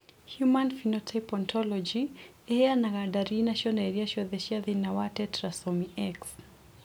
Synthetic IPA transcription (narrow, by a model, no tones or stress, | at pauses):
hjumanfinɔtʰajpɔntʰɔlɔd͡ʒi | ɛanaɣadaɾinaʃɔndɛɾiaʃɔðɛʃiaðinawatɛtɾasɔmiɛks